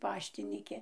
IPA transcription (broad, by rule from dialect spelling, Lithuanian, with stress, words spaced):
ˈpɑːʃʲtʲiːnʲɪkʲɪ